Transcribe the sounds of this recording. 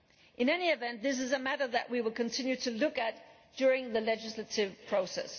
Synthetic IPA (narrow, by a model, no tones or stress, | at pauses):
ʔɨ̃nɛniɨvɛ̃nðɪs̬ɨzəmæɾə˞ðɨ̰ʔwiwəlˠkɨ̃ntʰɪ̃njʉɾɨlʊkɨt̚ | d̥ʊɹɪ̃ŋðɨlɛd͡ʒɨsləɾɪv̥pʰɹ̥oʊsɛ̰s